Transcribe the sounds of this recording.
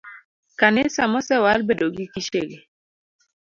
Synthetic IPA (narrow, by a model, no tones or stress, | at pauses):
kanɪsamɔsɛwalbedoɡikiʃeɡe